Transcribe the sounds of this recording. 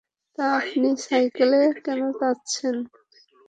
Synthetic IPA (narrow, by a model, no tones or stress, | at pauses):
t̪aapnisajkelekɛnot̪atːt͡ɕʰen